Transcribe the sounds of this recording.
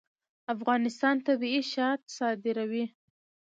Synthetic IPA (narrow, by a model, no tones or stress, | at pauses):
afɣɑnɪst̪ɑnt̪abiiʃɑt̪sɑd̪ɪɾawi